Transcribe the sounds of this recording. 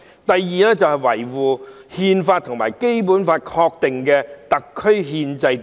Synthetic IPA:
t̪ɐ˨jːiː˨˧lɛː˥t͡sɐ˨whɐ˨jwɐ̰˨˩jwuː˨˩ | hiː˧nfaː˧t̪ʰʊ˨ŋma̰ː˨˩jke˥jp̬uː˨˥nfaː˧t̚kʰɔː˧k̚t̪ɪ˨ŋkɛː˧t̪ɐ˨kʰːɵ˥ɥɦiː˧nt͡sɐ˧j

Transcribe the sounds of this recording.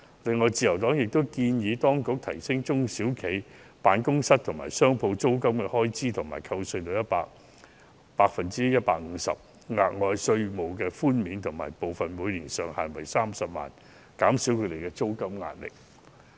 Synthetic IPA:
lɪ˨˧ŋːɔː˨˧jt͡siː˨˧jɐ˨˩wt̪ɔː˨˥ŋjɪ˨k̚t̪o˥wkiː˧njiː˨˧t̪ɔː˥ŋkʊ˨˥k̚t̪ʰɐ˨˩jsɪ˥ŋt͡sʊ˥ŋsiː˨˥wkʰe˨˥j | paː˨˧nkʊ˥ŋsɐ˥t̚t̪ʰʊ˨˩ŋmaː˨˩jsœː˥ŋpʰo˧wt͡so˥wkɐ˥mkɛ˧hɔː˥jt͡siː˥t̪ʰʊ˨˩ŋma̰ː˨˩jkʰɐ˧wsɵ˧ɥt̪o˨˧wjɐ˥t̚pa̰ː˧k̚ | paː˧k̚fɐ˨nt͡siː˥jɐ˥t̚paː˧k̚ŋ̩˨˧sɐ̰˨p̚ | ŋa̰ː˨˩k̚ŋɔː˨˧jsɵ˧ɥmo˨˩wkɛː˧fuː˥nmiː˨˥nt̪ʰʊ˨˩ŋma̰ː˨˩jpo˨wfɐ˨nmuː˨˧jliː˨˩nsœː˨ŋhaː˨˩nwɐ̰˨˩jsaː˥m̩sɐ˨p̚ma̰ː˨n | kaː˨˥msiː˨˥wkʰɵ˨˧d̪e˨jkɛː˧t͡so˥wkɐ˥mŋa̰ː˧n̚lɪ̰˨k̚

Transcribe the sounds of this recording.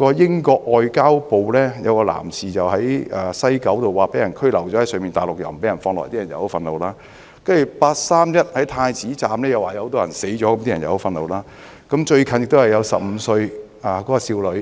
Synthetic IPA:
kɔː˧jɪ˥ŋkɔː˧k̚ʔɔː˨jkaː˥wpo˨wlɛː˥jɐ˨˧wkɔː˧la̰ː˨˩msʰiː˨t͡sɐ˨wɦɐ˨˥jaː˨sɐ˥jkɐ˨˥wt̪o˨wːaː˨˩pe˨˥jɐ˨˩nkʰɵ˥ɥlɐ˨˩wt͡ʃɔː˨˥hɐ˦˥sœː˨˧ŋmiː˨nt̪aː˨jlʊ˨k̚jɐ̰˨˩wmpe˨˥jɐ˨˩nfɔː˧ŋlɔ̰ː˨˩jt̪iː˥ɐ˨˩njɐ˨˧who˨˥wfɐ˧nlo˨˧wlaː˥ | kɐ˥jy˨˩paː˧t̚saː˥mjɐ˥t̚hɐ˨˥jt̪ʰaː˧jt͡siː˨˥t͡saː˨mlɛː˥jɐ˨˧waː˨jht̪ɔː˥jɐ̰˨˩nse˨˥jt͡ʃɔ˨˦˥kɐ˨˥mt̪i˥ɐ˨˩njɐ˨˩ho˨˥fɐ˧nlo˨˧wlaː˥ | kɐ˨˥mt͡ʃɵ˧ɥkʰɐ˨njɪ˨k̚t̪o˥hɐ˨jɐ˨˧wsɐ˨p̚m̩˨˧sɵ˧ɥ | aː˨˩kɔː˨˥kɔː˧siː˧wlɵ˨˧˥

